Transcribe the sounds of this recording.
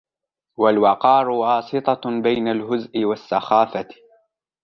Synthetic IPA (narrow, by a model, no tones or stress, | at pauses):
walwɑqɑːɾˤʊwɑːsɨt̪ˤɑbajnalɦʊzʔɪwasːaxaːfa